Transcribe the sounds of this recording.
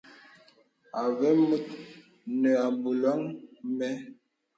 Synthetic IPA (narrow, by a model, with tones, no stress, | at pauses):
a˨vɛ˦mə˦t̚ | nə˨a˨mbu˨lɔ˦ŋmɛ˦